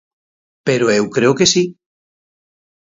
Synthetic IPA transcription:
peɾoewkɾeokesi

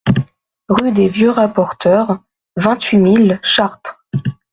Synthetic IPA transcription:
ʁyd̪evjøʁapɔʁt̪œʁ | vɛ̃t̪ɥimilʃaʁt̪χ

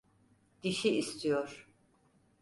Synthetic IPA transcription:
d̪̥iʃiːst̪ʰijoɾ̥

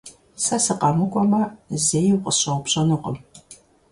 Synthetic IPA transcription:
sɐsɨqɑmɨkʷʼɔmɐzejiwqəɕɐwʊpɕʼɐnɨqəm

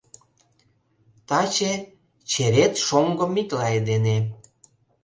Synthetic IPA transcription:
t̪ɑt͡ɕe | t͡ɕeɾet̪ʃoŋɡɤ̆miklɑed̪ene

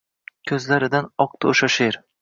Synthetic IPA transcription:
kʲʰɵzlaɾɪd̪anɒq̚t̪ʰaoʃaʃeɾ

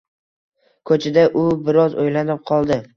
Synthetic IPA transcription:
kʰɵt͡ʃʰɪd̪aʔʊbɪɾɒzojlanɪp̚qʰɒlˠd̪ɪ

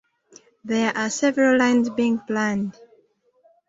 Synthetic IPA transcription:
ðɛʔasɛvɛɹəllãɪ̃nzbiĩŋplãnd

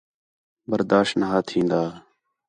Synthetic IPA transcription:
bəɾd̪aːʃnəɦaːt̪ʰĩːnd̪aː

